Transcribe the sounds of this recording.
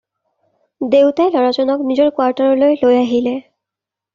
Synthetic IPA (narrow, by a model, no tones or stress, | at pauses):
dewtajlɔɹazɔnɔknizɔɹkwaɹtɔɹɔlojlojaɦilɛ